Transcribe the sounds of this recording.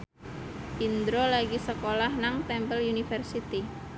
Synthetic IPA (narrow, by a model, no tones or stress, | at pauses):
ʔind̪ɾolaɡisəkolahnaŋt̪ɛmpəljunifərsit̪i